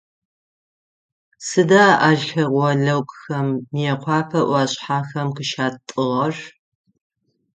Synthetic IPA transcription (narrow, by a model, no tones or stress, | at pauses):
sɨdaːʔaːʒxɐʁʷɔɮɐwkʼxɐmːjɛqʷʰɑːpʰɐʔʷɑːɕʼħaːxɐmkɨʃaːtʼɨʁɐr